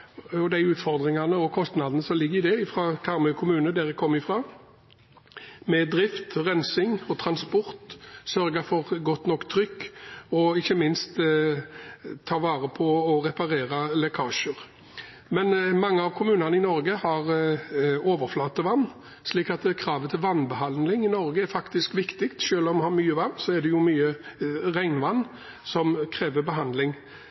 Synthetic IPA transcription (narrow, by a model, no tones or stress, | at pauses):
ɔd̪æɪʉːt̪fɔʁd̪ʁɪŋɑnəɔkʰɔst̪nɑd̪nəsɔlɪɡːəɾɪd̪ɛɪfɾɑːkʰɑɾmœkʰʊmʉːnəd̪ɛɾɛkʰɔmːɪfʁɑː | mɛd̪ɾɪft̪ʁɛnsɪŋɔt̪ʰɾɑnspɔʁt̪sœɾɡəfɔʁɡɔt̪ːnɔkːt̪ʰːɾʏkːɔɪçːəmɪnst̪ | t̪ʰːɑːʋɑːʁəpʰɔːɾɛpɑʁeːɾəlɛkʰɑːʃəɾ | mɛnmɑŋːəɑʋkʰʊmʉːnɑnəɪnɔɾɡəhɑʁ | oːʋəɾflɑːt̪əʋɑnː | sliːkɑt̪̚d̪ɛkʰɾɑːʋət̪ʰɪlʋɑnːbəhɑnlɪŋɪnɔɾɡəæɾfɑkt̪ɪskʋɪkt̪ɪkt̪ʃøːlɔmhɑɾmyːəʋɑnːsɔɛd̪ɛjʊmyːəʁæɪnʋɑnː | sɔmkʰɾeːʋəbəɦɑnd̪lɪŋ